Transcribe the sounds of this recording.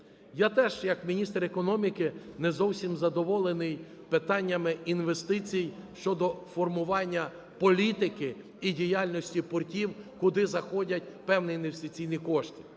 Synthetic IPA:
jat̪ɛʒjɐkmʲinʲist̪ɾekɔnɔmʲikɪnɛzɔwsʲimzɐd̪ɔʋɔlˠenɪj | pɪt̪ɑnʲːɐmɪinʋe̞st̪ɪt͡sʲijijʃt͡ʃɔd̪ɔfɔrmʊʋɑnʲːɐ | pɔlʲit̪ɪkɪ | idʲijalʲnɔsʲtʲipɔrtʲiwkʊd̪ɪzɐxɔdʲɐtʲpɛwnɪinʋest̪ɪt͡sʲijnʲikɔʃtʲi̥

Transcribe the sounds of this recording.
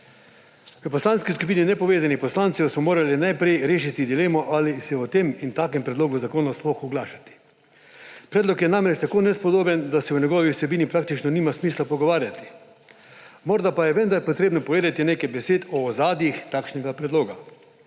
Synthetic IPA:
ʋəpɔslaːnskiskup̬iːninɛpɔʋeːzanixpɔslaːnt̪siɔsmɔmoːɾalinajpɾɛjɾeːʃit̪id̪ileːmɔʔalisɛɔt̪emint̪aːkɛmpɾɛd̪loːɡuzakoːnɔsplɔxɔɡlaːʃḁt̪i̥ | pɾɛːd̪lɔkjɛnamɾɛt͡ʃt̪akoːnɛspɔd̪oːbɛnd̪asɛwɲɛɡɔʋiusɛbiːnipɾaːk̚t̪it͡ʃnɔniːmasmiːslapɔɡɔʋaːɾjat̪i̥ | moːɾd̪apajɛʋənd̪aɾpɔt̪ɾeːbnɔpɔʋeːd̪et̪ineːkajbɛseːt̪ɔːzaːd̪jixt̪aːkʃnɛɡapɾɛd̪loːɡa

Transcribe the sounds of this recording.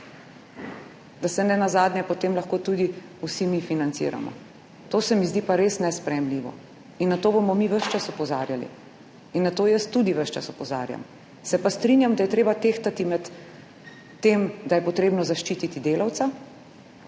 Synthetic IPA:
d̪asɛnɛnazaːd̪njɛpot̪emlaxkoːt̪ud̪iusimifinant̪sḭːɾa̰mɔ̰ | t̪oːsɛmizd̪iːpaɾesnɛspɾɛjɛmliːʋɔ̰ | inːat̪oːbomɔmiʋəʃt͡ʃasɔpɔza̰ːɾjalḭ | inːat̪oːjəst̪ud̪iʋəʃt͡ʃa̰sɔpɔza̰ːɾja̰m | sɛpast̪ɾinjamd̪ajɛt̪ɾeːbat̪eːxt̪at̪imɛt̪ː | emd̪ajɛpɔt̪ɾeːbnɔzaʃt͡ʃiːt̪it̪id̪eːlawt̪sa

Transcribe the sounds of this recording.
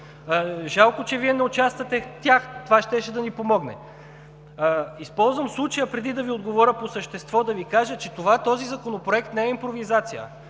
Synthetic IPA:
ʒalˠkot͡ʃɛviɛnɛot͡ʃast̪vɐt̪ɛt̪ʲaxt̪ovaʃt̪ɛʃɛd̪ɐnipomɔɡnɛ̰ | ispɔlˠzvəmslˠut͡ʃəjəpɾɛd̪id̪ɐviod̪ɡovɔɾʲəposəʃt̪ɛst̪vɔd̪ɐvikaʒət͡ʃɛt̪ovat̪ɔzizɐkonopɾoɛkt̪nɛɛimpɾovizat̪sijə̰

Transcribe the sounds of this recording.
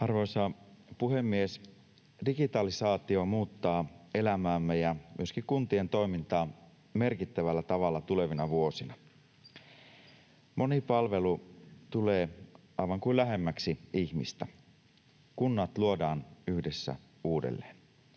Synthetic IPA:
ɑrʋo̞isɑpuhe̞mːies | diɡit̪ɑlisɑːt̪io̞muːt̪ːɑːe̞læmæːmːejɑmyøskikunt̪ie̞nt̪o̞imint̪ɑː | me̞rkit̪ːæʋælːæt̪ɑʋɑlːɑt̪ule̞ʋinɑʋuosinɑ | mʔo̞nipɑlʋe̞lut̪uleː | ɑiʋɑŋkuilæɦe̞mːæksiiçmḭst̪æ | kunːɑt̪luodɑːnyhdesːæ̰ | uːdḛlːeːn

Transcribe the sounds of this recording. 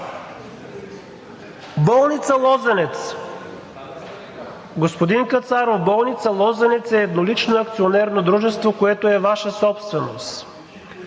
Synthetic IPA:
bɔlˠnit̪səlˠɔzɛnɛt̪s | ɡospod̪iŋkət̪saɾovbɔlˠnit̪səlˠɔzɛnɛt̪sɛːd̪nolit͡ʃnoɐkt̪sionɛɾnod̪ɾuʒɛst̪vokoɛt̪oɛvaʃəsɔpst̪vɛnost̪

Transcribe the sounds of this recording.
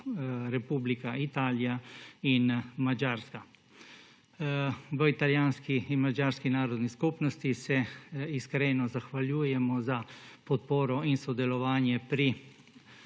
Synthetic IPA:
ɾɛpuːblikait̪aːlijainmad͡ʒaːɾska | ʋəit̪aljaːnskiinmad͡ʒaːɾskinaːɾɔd̪niskupnɔst̪isɛiskɾeːnɔzaxʋaljuːjɛmɔzapɔt̪poːɾɔinsɔd̪ɛlɔʋaːnjɛpɾi

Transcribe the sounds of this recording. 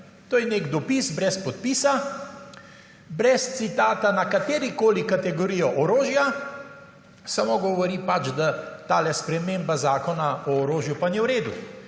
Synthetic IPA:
t̪oːjɛnekd̪ɔpisbɾɛspɔt̪̚piːsa | bɾɛst̪sit̪aːt̪anakat̪eːɾikoːlikat̪ɛɡɔɾiːjɔʔɔɾoːʒja | samoɡɔʋɔɾipat͡ʃd̪at̪aːlɛspɾɛmembazaːkɔnaɔːɾoːʒjupanɛwɾeːd̪u

